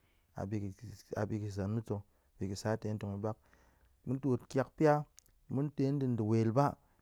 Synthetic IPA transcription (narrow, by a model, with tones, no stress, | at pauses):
a̰˨bi˧ka̰˨bi˧ki˨za˨nmu˦t͡so˧˨ | b̥i˨ki˨sa˨˦te˨˦n̩˦to˨ŋi˨ba˦k̚ | mu˦n˦to˨tkʲa˦kpi˦a˦ | mu˦nte˧˦n˦dɨ˨n˦dɨ˨we˨lba˦